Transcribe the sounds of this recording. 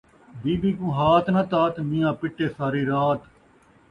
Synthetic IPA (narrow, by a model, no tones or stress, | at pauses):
biːbiːkũːɦaːt̪ʰnaːt̪aːt̪nɪ̃ːjãːpɪʈːeːsaːɾiːɾaːt̪